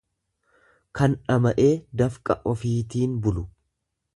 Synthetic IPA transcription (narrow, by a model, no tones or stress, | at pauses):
kɐnᶑɐmɐʔe̞ːd̪ɐfkʼɐ̰ʔɔfiːt̪iːnbʊlʊ